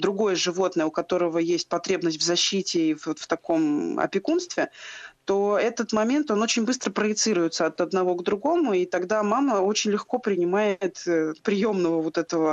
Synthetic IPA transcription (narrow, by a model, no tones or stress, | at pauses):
d̪ɾʊɡo̞jəʐɨvo̞t̪nəjəʊkɐt̪o̞ɾəvəjesʲt̚ʲpɐt̪ɾʲe̞bnəsʲtʲvzɐɕːitʲɪivot̪ft̪ɐko̞mɐ̰pʲɪkunst̪vʲɪt̪o̞ɛt̪ət̪mɐmʲe̞nt̪o̞no̞t͡ɕɪnʲbɨst̪ɾəpɾəjɪt̪sɨɾʊjɪt̪səɐt̪ɐd̪nɐvo̞ɡd̪ɾʊɡo̞mʊit̪ɐɡd̪amaməo̞t͡ɕɪnʲlʲɪxko̞pɾʲɪnʲɪmajɪɪt̪ːpɾʲɪjo̞mnəvəvo̞t̪ɛt̪əvə